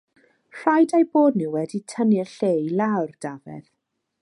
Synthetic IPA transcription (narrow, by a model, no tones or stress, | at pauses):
r̥ajdajboːdnɪwɛditʰənɪrɬejlˠawrd̥avɛ̰ð